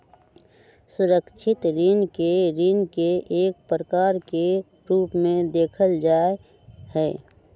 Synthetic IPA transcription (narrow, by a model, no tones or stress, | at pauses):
sʊɾəkt͡ʃʰɪt̪ɾinkeɾinkeeːk̚pɾəkaːɾke | ɾuːpmẽd̪eːkʰəld͡ʒaːe | hɛː